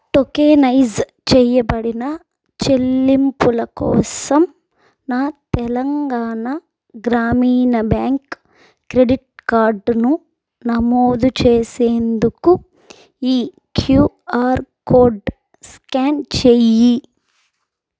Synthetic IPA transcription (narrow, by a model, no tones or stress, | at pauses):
ʈokeːnɐjz | t͡ʃɛːjɐbɐɽinɐ | t͡ʃe̞lːimpulɐkɔ̰ːsɐm | naːt̪ɛlɐŋɡaːnɐ | ɡɾaːmiːnɐbjaːŋkː | ɾeɖiʈ̚kaːɾɖnu | nɐmoːd̪ut͡ʃeːseːnd̪uku | iː | kʰjuː | aːɾkoːɾɖ | skaːnt͡ʃeːji